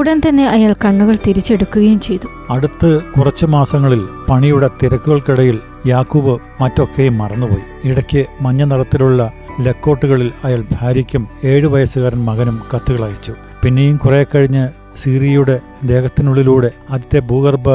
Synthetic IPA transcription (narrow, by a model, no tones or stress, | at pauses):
uɽɐnt̪ɐnːe̞ʔɐjaːɭkɐɳːuɣɐɭt̪iɾit͡ɕːe̞ɽukːuɣɐjumt͡ɕe̞jt̪u̥ | ɐɽut̪ːɨkurɐt͡ɕːɨmaːsɐŋːɐɭilpɐɳijuɽe̞t̪iɾɐkːuɣɐɭkiɽɐjil | jaːkːuːbɨ | mɐtːo̞kːejumːɐrɐnːupo̞̰ːji | iɽɐkʲːɨmɐɲːɐnɐrɐt̪ːiluɭːɐle̞kːo̞ːʈːuɣɐɭilɐjaːɭbʱaːɾikʲːume̞ːɻɨʋɐjɐsuɣaːɾɐnmɐɣɐnumkɐt̪ːuɣɐɭaːjit͡ɕːu | pinːejumkureːkːɐɻiɲːɨ | siːrijuɽe̞ | d̪e̞ːɣɐt̪ːinuɭːiluːɽe̞ɐðit̪ːe̞buːɣɐrbɨ